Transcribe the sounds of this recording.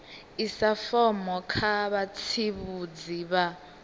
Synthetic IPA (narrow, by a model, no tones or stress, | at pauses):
isafɔmɔkʰaβat͡sʰiβud͡ziβa